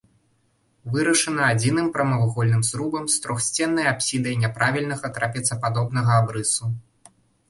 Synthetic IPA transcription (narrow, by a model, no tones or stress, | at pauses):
vɨɾɐʂɐnɐad͡zʲinɨmpɾɐmavɣɔlʲnɨmsɾubɐmst̪ɾɔxsʲt͡sʲɛnːɐjapsʲid̪ɐjnʲɛpɾavʲilʲnɐɣɐt̪ɾʔapʲɛt̪sɐpad̪ɔbn̪ɐɣɐabɾɨsu